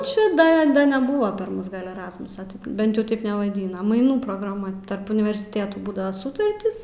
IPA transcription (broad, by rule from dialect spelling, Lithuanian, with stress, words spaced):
ˈt͡ʃʲɪ ˈdɐ ˈdɐ nʲɛˈbʊʋɐ pɐr ˈmʊs ɡɐlʲ ɛˈrɑːsmʊsɐ ˈbʲɛnt jɛʊ ˈtɐɪp nʲɛʋɐˈdʲiːnɐ mɐɪˈnuː proːɡrɐˈmɐ tɐrp ʊnʲɪʋʲɛrʲsʲɪˈtʲeːtuː ˈbuːdɐʋɐ ˈsʊtɐrʲtʲiːs